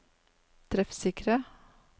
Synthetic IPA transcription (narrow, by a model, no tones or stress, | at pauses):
t̪ʰɾɛfsɪkɾə